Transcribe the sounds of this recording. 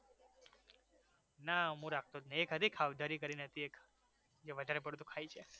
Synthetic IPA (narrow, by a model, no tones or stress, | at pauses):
naɦũɾakʰt̪od͡ʒneekɦəd̪ʱikʰaʋd̪ʱaɾikəɾinɦət̪iek | d͡ʒeʋəd̪ʱaɾep̬əɽt̪ũkʰajt͡ʃʰe